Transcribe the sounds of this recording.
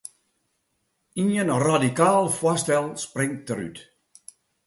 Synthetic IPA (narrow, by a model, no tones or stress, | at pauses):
injənradikaːlˠfwastɛlˠsprɪŋtəɾy̰t